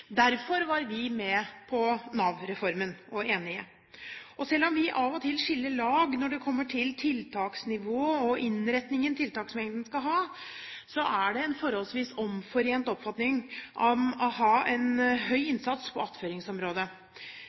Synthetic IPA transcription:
d̪æɾfɔɾʋɑɾʋɪmɛpʰɔnɑːʋɾɛfɔɾmənɔeːnɪə̰ | ʔɔsɛlːɔmʋɪʔɑʋɔt̪ʰɪlʂɪlːəɭɑːɡnɔɖɛkʰɔmːəʈʰɪlt̪ʰɪlt̪ʰɑːksnɪʋoːɔʔɪnɾɛt̪nɪŋənt̪ʰɪlt̪ʰɑːksmɛŋən̩skɑɦɑːsɔʔæɖɛɛnfɔɾɔlsʋiːsɔmfɔɾeːnt̪ɔpːfɑt̪nɪŋʔɑʋɔɦɑːʔɛnɦœʏɪnsɑt̪spʰɔɑt̪føːɾɪŋsɔmɾoːd̪ə

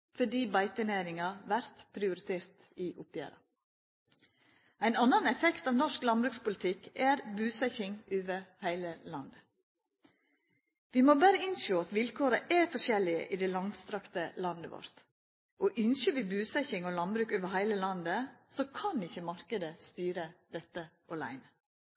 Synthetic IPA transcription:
fɔɖiːbæɪt̪ənæːɾɪŋɑʋæɾt̪pʰɾɪʊɾɪt̪ʰeːɾt̪ | ɪʔʊpjæ̰ːɾɑ̰ | æɪnɑnːənɛfɛkt̪ɑːʋnɔʂklɑnbɾʉːkspʊlɪt̪ʰɪkːæɾbʉːsæçɪŋøːʋəɾhæɪləlɑnd̪ə | ʋɪmoːbæːɾəɪnʃoːɑt̪ʋɪlkʰoːɾəʔæɾfɔʂɛlːɪə̰ʔid̪ɛlɑŋst̪ɾɑkt̪əlɑnd̪əʋɔ̰ɾt̪ | ʔoːʔʏnʃəʋɪbʉːsæçɪŋoːlɑnbɾʉːkøːʋəhæɪləlɑnd̪əsoːkʰɑnɪçːəmɑɾkəd̪əst̪yːɾəd̪̥ɛt̪ːəʔɔlæ̰ɪnə

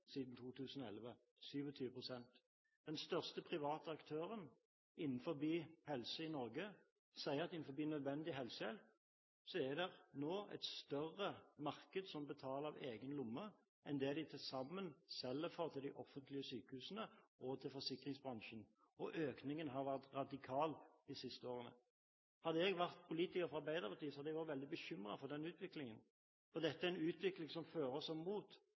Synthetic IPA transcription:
siːd̪n̩t̪ʰuːt̪ʰʉːsnɔɛ̰lʋə | syːʋɔt̪ʰyːʋəpʰʁʊsɛnt̪ | d̪̥ɛnst̪œʁst̪əpʰʁɪʋɑːt̪əɑkt̪ʰøːʁən | ɪnːn̩fɔbiːhɛlsəɪnɔɾɡə | sæɪəʁɑt̪ɪnn̩fɔbiːnœd̪ʋɛnd̪ɪɦɛlsəɛl | sɔɛd̪ɛʁnoːɛ̰t̪st̪œʁːəmɑʁkəd̪sɔmbət̪ʰɑːləɑʋeːɡənlʊmːə | ɛnd̪ɛːd̪ɪt̪ʰɪlsɑmːənsɛlːɛfoʁt̪ʰɪld̪ɪʔɔfːənt̪lɪəsyːkəhʉːsənəʔɔt̪ʰɪlfɔʁsɪkʁɪŋsbʁɑnʃən | ɔʔøːknɪŋənɦɑːʁʋæʁt̪ʁɑd̪ɪkʰɑːld̪̥ɪsɪst̪əoːʁənə̰ | hɑd̪ːəɛɡʋæʁt̪̚pʰʊliːt̪ɪkəʁfɔʁɑbæɪd̪əʁpʰɑʁt̪iːəsɔhɑd̪ɛɡʋɑɾʋɛld̪ɪbəçʏmʁɑ̰fɔd̪ɛnʉːt̪ʋɪklɪŋən | fɔʁd̪ɛt̪ːəɛæɛnʉːt̪ʋɪklɪŋsɔmføːɾɔsɔmmuːt̪

